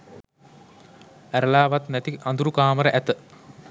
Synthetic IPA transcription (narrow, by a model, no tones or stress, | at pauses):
æɾəlaːʋat̪næt̪iand̪uɾukaːməɾəʔæt̪ə